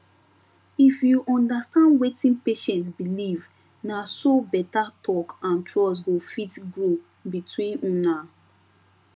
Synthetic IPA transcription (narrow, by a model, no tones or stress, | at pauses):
ifjuʔɔ̃ndastãndwetĩnpeʃɛ̃ntsbiliv | nasobɛtatʰɔkãntɹɔs̬ɡofitɡɹo | bitwĩnũna